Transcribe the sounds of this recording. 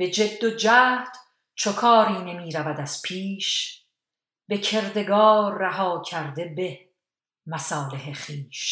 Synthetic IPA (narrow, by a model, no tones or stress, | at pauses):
b̥e̞d͡ʒe̞d̪ːod͡ʒæːhd̪̥ | t͡ʃʰokʰɒːɾiːne̞miːɾævæd̪æz̥pʰiːʃ | be̞cʰe̞ɾd̪e̞ɡɒːɾːæɦɒːcʰæɾd̪e̞be̞ | mæsɒːleɦeχiːʃ